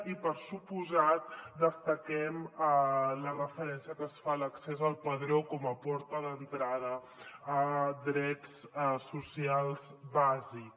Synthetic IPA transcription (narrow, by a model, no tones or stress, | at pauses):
ipəɾsupuzat̪̚d̪əst̪əkɛmələrəfəɾɛnsiəkəːsfaləksezəlˠpəðɾokɔməpɔɾt̪əðənt̪ɾað̞əː | d̪ɾɛt͡ssusialˠzβazik